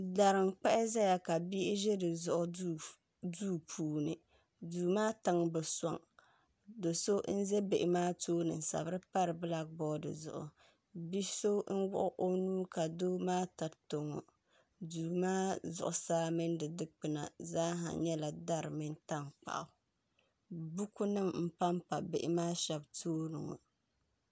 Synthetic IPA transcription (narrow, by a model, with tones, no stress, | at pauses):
da˨ɾɪ˨ŋk͡pɛ˦ʔɪ˦zɛ˦ja˨ka˨bi˦ʔɪ˦ʒɛ˦dɨ˨zʊ˦ʔʊ˦u˦ | duː˦pʰuː˨nɨ˨ | duː˨maː˦ta˦ŋbɛ˨sa̰˨ŋ | do˨so˦n̩˦zɛ˦be˨ʔɪ˨maː˦toː˦nɨ̰˨n˨sa̰˨bɾɨ˦pa˦ɾɨ˨bɨ˦la˨ɡ̚bɔː˦dɨ̰˨zʊ̰˨ʔʊ̰˨ | bi˦so˦n̩˦wʊ̰˦ʔʊ˦ʔo˦nuː˦ka˨doː˦maː˦ta˨ɾto˨ŋo̰˨ | duː˨maː˦zʊ̰˨ʔʊ̰˨saː˦mɨ˦ndɨ˨dɨ˦k͡pɨ˨na̰˨zaː˦ɦa̰˨ɲɛ˦la˨da˦ɾɨ˨mɨ˦nta˦ŋk͡pa̰˨ʔʊ˨ | bu˦ku˦nɨ˦mm̩˦pa˦mpa˨be˨ʔɪ˨maː˦ʃɛ˨btʰoː˦nɨ̰˨ŋo̰˨